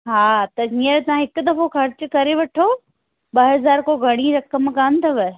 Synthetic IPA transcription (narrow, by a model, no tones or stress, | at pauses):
ɦaːt̪ɐd͡ʑiəɾt̪ɐãɦɪkʊ̆d̪ɐfoxɐɾt͡ɕkɐɾeʋɐʈʰo | bɐɦɐzaːɾkoɡʱɐɽ̃iɾɐkəmkant̪ʰɐʋɪ